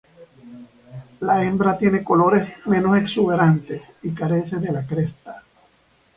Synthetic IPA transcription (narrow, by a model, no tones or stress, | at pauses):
lae̞mbɾat̪je̞ne̞ko̞lo̞ɾe̞smẽ̞no̞se̞ksuβe̞ɾant̪e̞sikaɾe̞se̞ðe̞lakɾe̞st̪ḁ